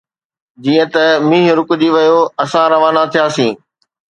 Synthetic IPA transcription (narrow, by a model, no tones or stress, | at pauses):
d͡ʑiːə̃t̪ɐmĩːɦɾʊkʊd͡ʑiːʋɐjoɐsãɾɐʋaːnat̪ʰijaːsĩː